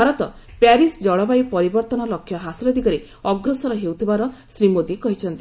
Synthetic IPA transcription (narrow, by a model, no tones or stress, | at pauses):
aɾɔt̪ɔ | paɾisd͡ʒɔɭɔbajpɔɾibɔɾt̪ɔnɔlɔkʰːjɔɦasilɔd̪iɡɔɾe | ɔɡɾɔsɔɾɔɦewt̪ʰibaɾɔsɾimod̪ikɔɦit͡ʃʰɔnt̪i